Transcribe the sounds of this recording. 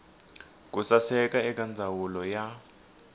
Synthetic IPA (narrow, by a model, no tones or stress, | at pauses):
k̬ʼusasɛk̬ʼaɛk̬ʼand͡zʱawulɔja